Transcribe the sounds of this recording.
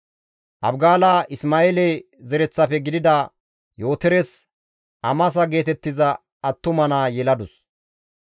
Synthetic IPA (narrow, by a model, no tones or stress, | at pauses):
ʔɐbɡaːlaːʔɪsmaːelɛ | zɛɾɛt͡sːɐpɛɡɪd̪ɪd̪aː | jo̞ːt̪ɛɾɛs | ʔɐmɐs̬ɐɡe̞ːt̪ɛt̪ːɪzɐː | t̪ːʊmɐnaːjɛlɐd̪ʊs